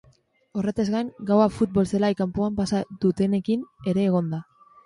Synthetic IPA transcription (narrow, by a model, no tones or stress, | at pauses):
o̞re̞t̪ezɣajŋɡawafut̪̚bo̞lselajkampoampasaðut̪e̞ne̞kine̞ɾe̞ːɣ̞o̞nd̪a